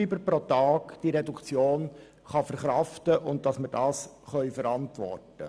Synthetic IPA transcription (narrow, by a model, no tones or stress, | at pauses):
ibəɾpɾotɑːkd̥iɾedukt͡sjoːn | χɑfəɾχɾɑftəʔʊnt̚d̥ɑsmədɑːs | χœʏfəɾɑntʋɔ̰rtə̰